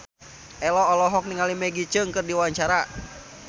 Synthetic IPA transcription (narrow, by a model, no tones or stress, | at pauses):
ʔɛlɔːlɔɦɔk̚niŋalimɛɡit͡ʃəŋkɨrdiwaɲt͡ʃaɾa